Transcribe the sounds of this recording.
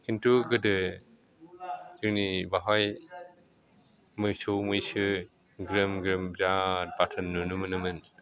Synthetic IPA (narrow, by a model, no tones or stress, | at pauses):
hintuɡɯdɯ | zɯŋnibaɦaj | mɯjsowmɯjsɯ | ɡɾɯmɡɾɯmzat̚batʰɯnːunɯmɯnɯmɯn